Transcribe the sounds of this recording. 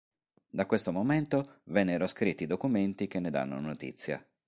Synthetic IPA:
d̪akːwest̪omoment̪ovɛnːeɾoskɾit̪ːid̪okument̪ik̟enːed̪a̰nːo̰not̪ḭt̪sːja̰

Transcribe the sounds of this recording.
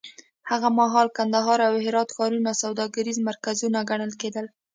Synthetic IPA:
haɣamaɦɑlkand̪aɦɑɾawhɪɾɑt̪xɑɾunasawd̪ɑɡaɾizmaɾkazunaɡaɳəlked̪əl

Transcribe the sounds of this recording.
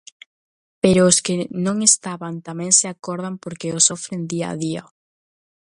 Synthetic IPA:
peɾʊːskɪnõŋest̪aβant̪amɛ̃ŋseakɔɾð̞ampoɾkeʊsofɾend̪ia̰ðia

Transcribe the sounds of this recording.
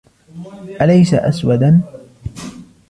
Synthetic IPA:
ʔalajsaʔa̰swad̪an

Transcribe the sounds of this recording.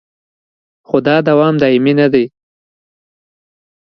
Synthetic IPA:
xod̪ɑd̪awɑmd̪ɑɪmenad̪aj

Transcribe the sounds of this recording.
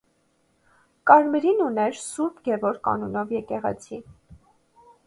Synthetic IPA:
kɑɾmɛɾinunɛɾsuɾpɡɛvɔɾkɑ̰nunɔvjɛkɛʁɛ̰t͡sʰi

